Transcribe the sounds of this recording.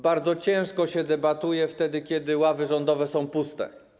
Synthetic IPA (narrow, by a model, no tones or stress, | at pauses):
baɾd̪zɔt͡ɕɛ̃w̃ʂkɔɕɛd̪ɛbat̪ujɛft̪ɛd̪ɘkʲɛd̪ɘwavɘʐɔnd̪ɔvɛsɔ̃w̃pust̪ɛ̰